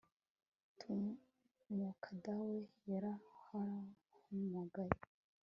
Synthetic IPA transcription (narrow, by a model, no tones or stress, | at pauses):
tʰu | mokʰadawejaɾahaɾa | humaɡaɾi